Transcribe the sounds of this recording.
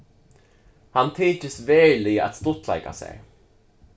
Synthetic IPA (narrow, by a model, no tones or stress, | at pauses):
hant̪ʰiːt͡ʃəsveːlia̰t̪st̪ʊt̪ʰla̰ɪka̰sɛ̰j